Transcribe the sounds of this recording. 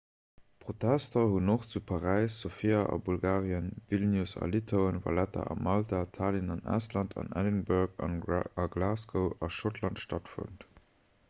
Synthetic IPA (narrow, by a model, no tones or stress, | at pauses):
pʁ̥otʰæstɐhunoχt͡supʰɑʁæɪsːofiaʔɑ̰bulɡaːʁiənvilnjusɑ̰litʰaʊənvɑ̰lætʰɐ̰ʔɑ̰mɑltatʰaːlinɑnæ̰ːstlɑntʰɑ̰næ̰dinbuʁkɑ̰nɑɡlaːskəʊɑʃotʰlɑntʃtɑtfə̰nt